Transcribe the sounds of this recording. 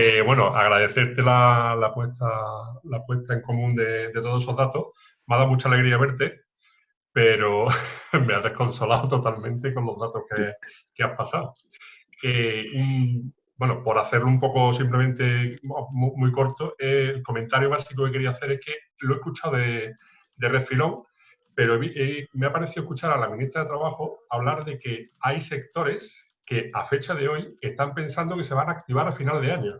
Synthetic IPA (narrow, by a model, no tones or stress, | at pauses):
eβwe̞noʔa̰ɣɾaðe̞θe̞ɾt̪e̞lalapwe̞ht̪alapwe̞ht̪ʰae̞ŋko̞mũnd̪e̞d̪e̞t̪o̞es̬o̞ɦðat̪o̞h | maðamut͡ʃale̞ɣɾiaβ̞e̞ɾt̪e̞ | pe̞ɾomeaðe̞hko̞nso̞laot̪o̞t̪almẽnt̪e̞ko̞nlo̞ɦðat̪o̞hke | keahpasao | euŋ | bwe̞nopo̞ɾaθe̞ɾloumpo̞ko̞simplemẽnt̪e̞ommuiko̞ɾt̪oʔeːlko̞ment̪aɾjoβ̞asik̬okeke̞ɾiaθe̞ɾehke̞ | loehkut͡ʃawðe̞ | d̪e̞re̞filo̞ŋ | pe̞ɾoemeapaɾeθioekut͡ʃaɾalamĩnist̪ɾaðe̞t̪ɾaβaxoaβ̞laɾðe̞ke̞ajse̞kt̪o̞ɾe̞s | ke̞a̰fe̞t͡ʃaðe̞o̞je̞ht̪ampe̞nsand̪o̞kese̞βaŋaːk̚t̪iβ̞aɾafinald̪eaɲo